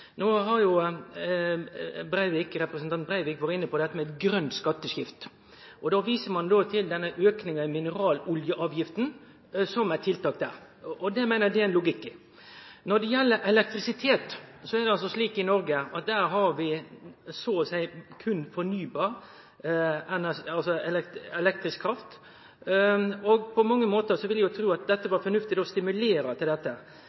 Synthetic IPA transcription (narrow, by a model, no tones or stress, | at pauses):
noːɦɑɾjʊ | bɾæɪʋɪkɾɛpɾɛsnt̪ɑnt̪̚bɾæɪʋɪkʋɑɾəɪnːəpʰɔd̪ɛt̪ːəmɛɛt̪ɡɾœnt̪skɑt̪ːəʂjɪft̪ | ʔɔd̪oːʋiːsəmɑnd̪oːt̪ʰɪld̪ɛnːəʔøːknɪŋɑɪmɪnəɾɑːlʊljəʔɑːʋjɪft̪n̩ | sɔmæt̪ʰɪlt̪ʰɑːk̚t̪d̪æ̰ːɾ | ʔɔd̪ɛmæɪnəd̪ɛæɪnlʊɡɪkː | nɔɾd̪ɛjɛlːəɾʔɛlɛk̚t̪ɾɪsɪt̪ʰeːt̪sɔæd̪ɛɑlsɔsliːkɪnɔɾɡəɑt̪̚d̪æːɾɦɑɾʋɪsoːsæɪkʰʉnfɔɾnyːbɑːɾ | ɛnəɑlsɔɛlɛɛlɛk̚t̪ɾɪskʰːɾɑft̪ | ɔɡpʰɔmɑŋːəmoːt̪əɾsɔʋɪljæjʊt̪ʰɾuːɑt̪̚d̪ɛt̪ːəʋɑɾfɔɾnʉft̪ɪt̪ɔɔst̪ɪmʉleːɾɑt̪ʰɪld̪ɛt̪ːə